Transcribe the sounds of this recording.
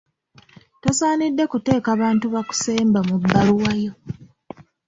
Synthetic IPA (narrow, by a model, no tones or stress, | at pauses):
to̞saːnidːe̞kute̞ːkaβaːntuβaku̥seːmbamubːaluwajo̞